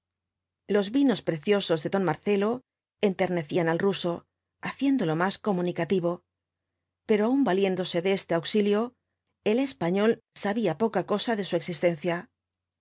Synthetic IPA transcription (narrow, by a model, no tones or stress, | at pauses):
lo̞zβino̞spɾe̞θjo̞so̞zðe̞ðo̞nmaɾθe̞lo̞ | e̞nt̪e̞ɾne̞θianalruso̞ | aθje̞nd̪o̞lo̞masko̞munikat̪iβo̞ | pe̞ɾo̞aumbalje̞nd̪o̞se̞ðeest̪eawksiljo̞ | e̞le̞spaɲo̞lsaβiapo̞kako̞saðe̞sue̞ksist̪e̞nθja